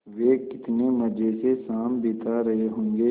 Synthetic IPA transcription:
ʋeːkɪt̪nemɐd͡ʒesesaːmbʱiːt̪aɾɐɦeɦõːŋɡe

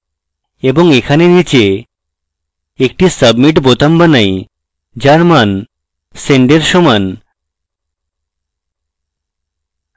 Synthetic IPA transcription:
eboŋekʰanenit͡ɕe | ek̚ʈisəbmiʈbot̪ambanaj | d͡ʑaɾman | seɳɖeɾʃɔman

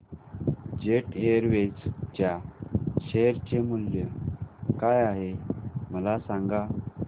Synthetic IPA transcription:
d͡ʑeʈeɾʋed͡zt͡ɕjaɕeɾt͡ɕemuljəkajaɦeməlasãŋɡa

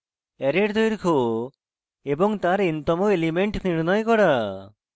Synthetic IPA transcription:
ɛɾeɽd̪ɔjɾkʰo | ebɔŋt̪aɾint̪ɔmoelimeɳʈniɾnɔjkɔɽa

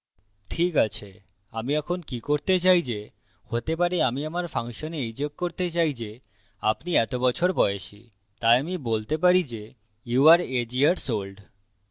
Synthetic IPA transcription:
ʈʰikat͡ɕʰe | amiɛkʰonkikoɾt̪et͡ɕajd͡ʑe | hot̪epaɾeamiamaɾfʰaŋʃoneejd͡ʑok̚koɾt̪et͡ɕajd͡ʑe | apniɛt̪obɔt͡ɕʰoɾbɔeeʃḭ | t̪ajamibolt̪epaɾid͡ʑe | juaɾed͡ʑiaɾsolɖ

